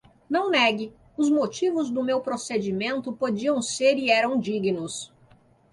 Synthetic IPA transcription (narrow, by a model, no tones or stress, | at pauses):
nɐ̃w̃nɛɡɪ | ʊzmot͡ʃivʊzd̪ʊmewpɾosed͡ʒimẽnt̪ʊpod͡ʒiɐ̃w̃seɾiɛɾɐ̃w̃d͡ʒiɡinʊs